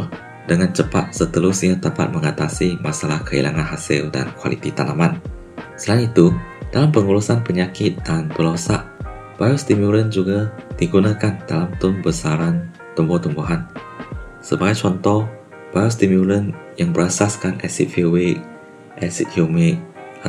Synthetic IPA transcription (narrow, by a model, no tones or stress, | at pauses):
dəŋãnt͡ʃəpat̪̚sət̪əɾʊsiat̪apa̰t̪̚mə̃ŋat̪asimasalahkəḭla̰ŋãnɦasḭlda̰nkwa̰lḭt̪it̪anaman | səlanit̪ud̥alampəŋuɾusanpəɲakɪt̪̚danbəlɔsa̰ʔ | bajɔst̪imjulənd͡ʒuɡad̥iɡunãkandalamt̪ʊnbəsaɾan | t̪umbɔt̪umbuɦan | səbaɡajt͡ʃɔnt̪ɔh | b̥ajɔst̪imjulənjaŋbəɾasaskanɛ̰sḭt̪̚fiwe | ʔɛsit̪̚hjumɪk̚a